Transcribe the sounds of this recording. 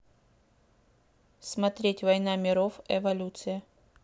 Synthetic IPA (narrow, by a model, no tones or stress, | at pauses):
smɐt̪ɾʲetʲvɐjnamʲɪɾofɛvɐlʲut̪sɨjə